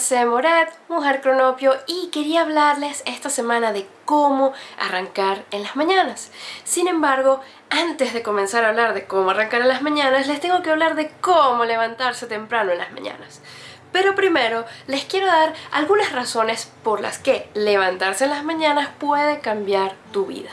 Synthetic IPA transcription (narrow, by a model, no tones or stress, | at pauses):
semoɾet̪uŋaɾkɾo̞no̞pjo̞ike̞ɾiaːβlaɾle̞se̞st̪ase̞mãnaðe̞ko̞mo̞a̰raŋkaɾenlazmãɲanasːinẽ̞mbaɾɣo̞ | ant̪e̞zðe̞ko̞mensaɾaːβlaɾðe̞ko̞mo̞araŋkaɾenlazmãɲãnaslest̪e̞ŋɡo̞keaβlaɾðe̞komo̞le̞βant̪aɾse̞t̪e̞mpɾanoẽnla̰zmã̰ɲa̰nas | pe̞ɾo̞pɾime̞ɾo̞le̞skje̞ɾo̞ðaɾa̰lɣunasraso̞ne̞spo̞ɾla̰ske̞le̞β̞ant̪aɾse̞ːnlazmãɲãnaspwe̞ð̞e̞kambjaɾt̪uβḭða